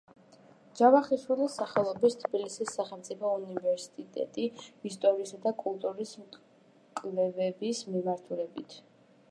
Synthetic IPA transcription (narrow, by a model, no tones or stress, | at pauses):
d͡ʒ̥avaχiʃwilisaχɛlˠɔbist̪ʰbilisisːaχɛlˠmt̪sʼipʰɔunivɛɾsi̥t̪ʼit̪ʼɛ̰t̪ʼiist̪ʼɔɾiːsad̪akʼulˠt̪ʼuɾism | kʼlɛvɛbismimaɾt̪ʰulɛbit̪ʰ